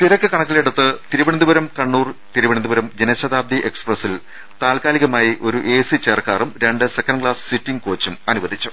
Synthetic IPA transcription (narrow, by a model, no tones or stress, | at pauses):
t̪iɾɐkːɨkɐɳɐkːiliɽut̪ːɨt̪iɾubɐɳind̪ubɐɾɐmkɐɳːuːrt̪iɾuʋɐɳɐnd̪ubɐɾɐmd͡ʑenɐɕɐðaːb̚d̪ʱiʔe̞ksprɐsil | t̪aːlkaːliɣɐmaːjiʔo̞ɾuʔeːsit͡ɕeːrkaːrumɾeɳɖɨse̞kːɐɳɖkɭaːssitːiŋɡko̞ːt͡ɕːumɐnuʋɐd̪ʱit͡ɕːu̥